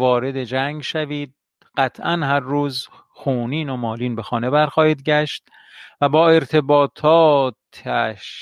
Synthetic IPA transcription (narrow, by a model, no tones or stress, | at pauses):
vɒːɾe̞d̪e̞d͡ʒæŋɡʃæviːd̪̚ | ɢ̥æt̪ʰʔænhæɾːuːz | xuːniːno̞mɒːliːnbe̞xɒːne̞bæɾxɒːhiːd̪ɟæʃt̪̚ | væbɒːe̞ɾt̪ʰe̞bɒːt̪ʰɒːt̪ʰæʃ